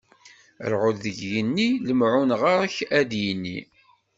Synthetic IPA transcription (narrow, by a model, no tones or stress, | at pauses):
ə̰ɾʕʊlðəʝjənːiləmʕunʁaɾæçæd̪jənːḭ